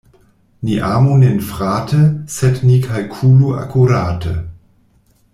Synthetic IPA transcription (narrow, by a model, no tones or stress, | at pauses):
niʔaːmunenfʁaːtʰəsɛtnikʰalkʰuːlua̰kʰuɾaːtʰə̰